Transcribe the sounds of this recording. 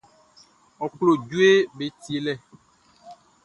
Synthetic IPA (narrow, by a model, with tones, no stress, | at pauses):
ɔ˨klo˨d͡ʒu˦e˦be˨t̪i˦e˨lɛ˦˨